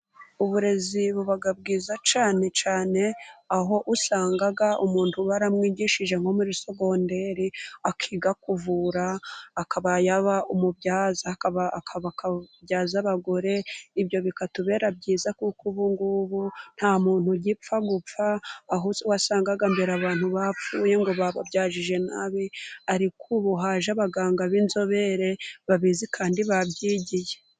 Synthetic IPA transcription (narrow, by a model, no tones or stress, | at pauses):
uβuɾe̞ziβuβaɡab̚ɡiːzat͡ʃaːne̞t͡ʃaːne̞aɦo̞ʔusaːŋɡaɡaumuːntuβaɾamŋiːɟiːʃiʒe̞ŋho̞muɾiso̞ɡo̞nde̞ɾiakʰiːɡakuvuːɾaːkaβajaβaumubɟaːzaakaβakʰaβakabjaːzaβaɡo̞ɾe̞ibjo̞βikatuβe̞ːɾabɟiːzakukʰuβuŋɡuβun̥hamuːn̥huɟip͡faɡup͡faːɦuzuwasaːŋɡaɡambeɾaβaːn̥huβap͡fuːje̞ŋɡo̞βaβabjaːʒiʒe̞na̰βiaɾikʰuβuɦaːʒaβaɡaːŋɡaβinzo̞βe̞ɾe̞βaβizikʰaːndiβabɟiːɟije